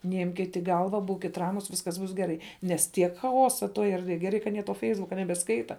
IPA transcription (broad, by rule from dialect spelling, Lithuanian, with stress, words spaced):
nʲɛˈɪmʲkʲɪt ɪ ˈɡɐlˠʋɐ ˈbuːkʲɪt ˈrɑːmʊs ˈʋʲɪskɐs ˈbʊs ɡʲɛˈrɐɪ nʲɛs ˈtʲiɛk xɐˈoːsɐ ˈtoːj ɛrʲdʲˈʋʲeːj ɡʲɛˈrɐɪ kɐ ɐˈnʲiɛ toː ˈfʲɛɪzbʊkɐ nʲɛbʲɛˈskɐɪtɐ